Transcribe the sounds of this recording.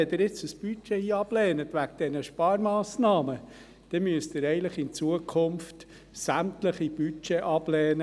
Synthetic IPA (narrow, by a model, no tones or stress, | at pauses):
ɛdɪɾɪt͡səsb̥yt͡ʃɛiːɑb̥lɛːnətʋækd̥ɛnəʃpɑːɾmɑːsnɑːmə | d̪̥ɛmyəstɪɾɛɪləχɪnt͡suəkʰʊmft | sæmtləχib̥yt͡ʃɛʔɑb̥lɛːnə